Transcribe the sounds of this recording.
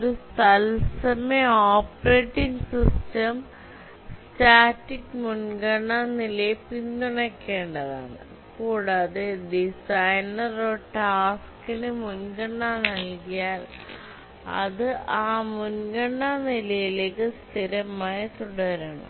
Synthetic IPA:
oɾust̪ɐlsɐmeoːpreːʈːiŋɡsistɐm | staːtːikːmunɡɐɳːanilɐjipinːuɳɐkːe̞ːɳɖɐða̰ːɳɨ̰ | kuːɽaːðeɖisɐjnɐroʈaːskinɨmunɡɐɳːanɐlkijaːl | ɐ̰ðɨʔaːmunɡɐɳːanilɐjileːkːɨst̪ʰiɾɐmaːjɐt̪uɽɐɾɐɳɐ̰

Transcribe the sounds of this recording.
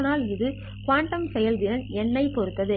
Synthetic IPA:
naːlɪðɯ | kʋaːɳʈɐmsɛjɐld̪ɪɾɐnɛnːɐɪpɔɾɯt̪ːɐðɯ

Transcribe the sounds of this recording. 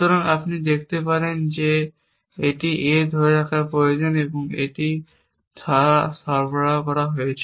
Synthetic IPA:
ɔɾaŋapnid̪ekʰt̪epaɾend͡ʑe | eʈiʔed̪ʱɔɾɾakapɾojod͡ʑoneboŋeʈi | t̪ʰaasaɾbaɽakɔɾaɦojet͡ɕʰ

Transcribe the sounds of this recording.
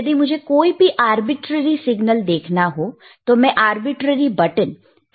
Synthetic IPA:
ɐd̪imʊd͡ʒʱekoːibʱiʔaːɾbɪʈɾəɾisɪɡnəld̪eːkʰnaɦo | t̪omɛ̃ʔaːɾbɪʈɾəɾibɐʈən

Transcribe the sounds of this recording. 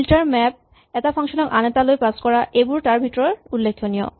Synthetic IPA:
lʈaɾmɛp̚ | ɛt̪afʰɔŋʃonokʔanet̪aloepaskɔɾaʔebuɾʈaɾbʱiʈɾoɾulːekʰːonio̰

